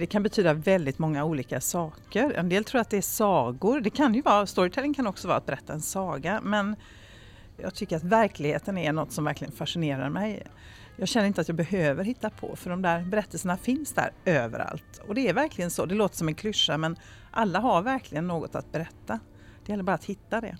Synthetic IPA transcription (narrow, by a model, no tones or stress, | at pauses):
d̪ɛkʰanbɛt̪ʰyːd̪avɛld̪ɪt̪mɔŋːauːliːkasɑːkəɾɛ̰nd̪eːlt̪ʰɾuːɾat̪̚d̪ɛæsɑːɡʊɾd̪ɛkʰanjɵvɑːast̪ɔɾɪt̪ʰɛlːɪŋkʰanɔksɔvɑːɾat̪̚bɛɾɛt̪ːaɛnsɑːɡamɛn | jɑːɡt̪ʰʏkːəɾat̪væɾklɪɡhḛːt̪ənæɾɳɔt̪ːsɔmvæɾklɪɡənfaʂɪneːɾa̰ɾmɛj | jɑːɡɕɛnːɾɪnt̪əat̪jɑːɡbɛhøːvəɾhɪt̪ːapʰɔ̰fœɖɔmd̪æɾbɛɾɛt̪ːəlsənafɪnsd̪æ̰ːɾøːvə̰ɾa̰lt̪ɔd̪ɛːɾvæɾklɪɡənsɔd̪ɛloːt̪ə̥ʂɔmɛnkʰlʏʂːamɛn | ʔalːaɦaɾvæɾkʰlɪɡənːoːɡɔt̪a̰t̪̚bɛɾɛt̪ːa | d̪ɛjɛlːəɾbɑːɾat̪hɪt̪ːad̪ɛ̰